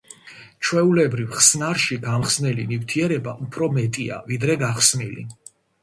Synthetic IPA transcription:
t͡ʃʰwɛulɛbɾivχsnaɾʃiɡamχsnɛlinift̪ʰiɛɾɛbaʔupʰɾɔmɛt̪ʼia̰vid̪ɾɛɡaχsmilḭ

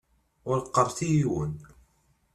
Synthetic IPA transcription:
ʊɾqːərˤθijiwən

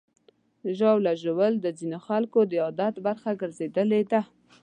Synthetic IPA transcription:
ʒɑwlaʒəwəld̪əzinoxalkod̪əɑd̪at̪baɾxaɡəɾzed̪əled̪a

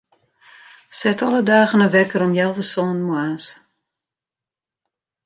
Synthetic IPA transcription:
sɛtʰɔlˠədaːɣənəʋɛkəɾɔmjɛlˠvəsoːnmuaːs

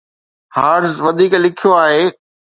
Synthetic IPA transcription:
haːɖzʋɐd̪ʱiːklɪkʰijoaːɦeː

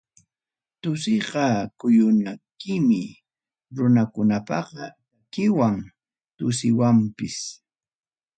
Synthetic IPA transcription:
t̪ʊsɪɢɑkʊjʊnakɪmɪ | ɾʊnakʊnapɑqɑ | kɪwaŋ | t̪ʊsɪwampɪs

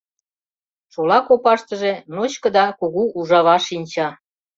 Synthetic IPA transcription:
t͡ɕolɑkopɑʃt̪əʒenot͡ɕkə̆d̪ɑkoɣuʔuʒɑβɑʃinʲt͡ɕɑ

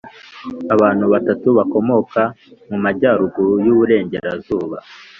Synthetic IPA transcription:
aβaːn̥huβatatuβako̞mo̞kamumaɟaːɾuɡujuβuɾe̞ːɲɟe̞ɾazuːβa̰

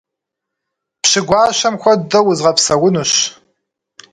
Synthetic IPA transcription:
pɕɪɡʷɑːɕɐmxʷɔdɐwʊzʁɐpsɐwʊnuɕ

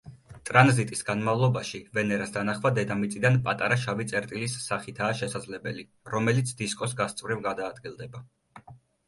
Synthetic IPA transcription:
t̪ʼɾanzit̪ʼisɡanmavlˠɔbaʃivɛnɛɾasd̪anaχvad̪ɛd̪amit̪sʼid̪anpʼat̪ʼaɾaʃavit̪sʼɛɾt̪ʼilisːaχit̪ʰaːʃɛsad̪zlɛbɛli | ɾɔmɛlit̪sʰd̪iskʼɔsɡast̪sʼvɾivɡad̪aːd̪ɡilˠd̪ɛba

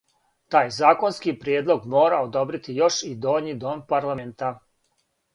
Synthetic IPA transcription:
t̪aːjzaːko̞nskipɾjeːd̪lˠo̞ɡmo̞ːɾaod̪o̞bɾit̪ijo̞ʃid̪o̞ːɲid̪o̞ːmpaɾlˠament̪a

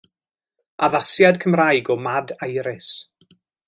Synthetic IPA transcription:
aðasjadkʰəmrajɡɔmadajɾɪs

